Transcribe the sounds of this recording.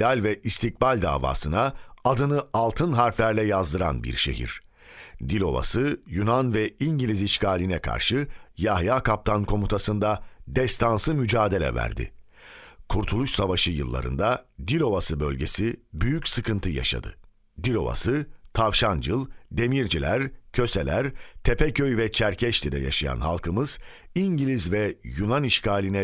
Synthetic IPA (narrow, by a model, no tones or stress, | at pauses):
d̪alʲvɛʔist̪ʰic̚balʲd̪a̰ːva̰ːsɯnaad̪ɯnɯalˠt̪ʰɯnɦaɾflʲæɾlʲɛjazd̪ɯɾa̰nbḭɾʃe̞̰ɦḭɾ̥ | d̪ilʲo̞va̰sɯjunanvɛiɲɟilʲiziʃcaːlʲinɛkʰa̰ɾʃɯjahjaːkʰap̚t̪ʰankʰo̞mut̪ʰasɯnd̪ad̪ɛst̪ʰansɯmyd͡ʒaːd̪e̞lʲɛ̰væ̰ɾd̪ɪ̰ | kʰuɾt̪ʰulˠuʃsavaʃɯjɯ̰lˠːa̰ɾɯ̰nd̪ad̪ilʲo̞vasɯbø̞̰lʲɟe̞sibyjycsɯkʰɯnt̪ʰɯja̰ʃa̰d̪ɯ̰ | d̪ilʲo̞̰va̰sɯt̪ʰavʃand͡ʒɯlˠd̪e̞miɾd͡ʒilʲæɾcʰø̞se̞lʲæɾt̪ʰepɛcʰøjvɛt͡ʃʰæɾcʰɛʃt̪ʰid̪ɛ̰ja̰ʃaja̰nha̰lˠkʰɯmɯz̥ | iɲɟilʲizvɛjunaniʃkʰaːlʲinɛ